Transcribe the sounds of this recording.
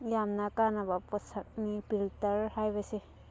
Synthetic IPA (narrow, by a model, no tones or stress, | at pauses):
jamnakanabapɔsak̚nipiltɐɾhajbase